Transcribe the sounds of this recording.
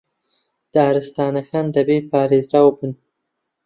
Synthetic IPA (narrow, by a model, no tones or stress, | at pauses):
d̪̥ɑːɾɨst̪ɑːnaxɑːnd̪ɐbepɑːɾezɾawbun